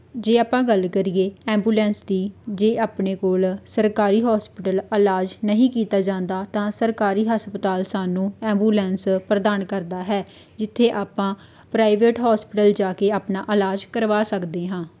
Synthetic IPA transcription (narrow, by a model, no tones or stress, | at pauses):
d͡ʒeːaːpãːɡəlkəɾieːɛ̃ːmbuːlɛ̃ːnsd̪iːd͡ʒeːʔaːpneːkoːlsəɾkaːɾiːɦɔːspɪʈələlaːd͡ʒnəɦĩːkiːt̪aːd͡ʒãːnd̪aːt̪ãːsəɾkaːɾiːɦəspət̪aːlsaːnũːɛ̃ːmbuːlɛ̃ːnspɾəd̪aːnkəɾd̪aːɦɛː | d͡ʒɪt̪ʰːeːʔaːpãː | pɾaːɪʋeːʈɦaːspɪʈəld͡ʒaːkeːaːpnaːʔəlaːd͡ʒkəɾʋaːsəkd̪eːɦãː